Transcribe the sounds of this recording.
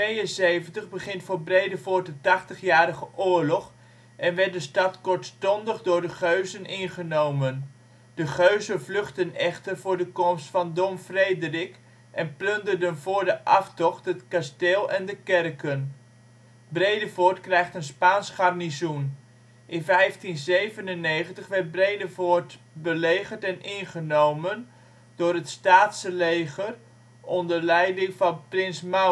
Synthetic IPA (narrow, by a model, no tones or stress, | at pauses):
tʋejənsejvəntəχbəχɪntfoːɹbrejdəfoːɹt̚dətɑχtəχjaːɾəχəʔoːɹlɔχ | ʔɛnʋɛɹt̚dəstɑtkʊɹtstɔndəχdʊːɹdəχøɥzənʔɪnχənowmən | dəχøɥzənvlɵχtənɛχtərvʊːɹdəkɔmstfɑndomfreːdərɪk | ʔɛnplɵndərdənvʊːɹdəʔɑftɔχtɦətkasteːlˠɛndəkɛrkən | brejdəvotkrɛjxtənspaːnsχarnizun | ʔɪnfɛjftinzejvənənːeːχəntəχʋɛrt̚breːdəvot | bəleːɣəɹtɛnʔɪnχənowmən | d̥ʊːɾətstaːtsəlejɣər | ɔndərlɛjdɪŋfɑnprɪnsma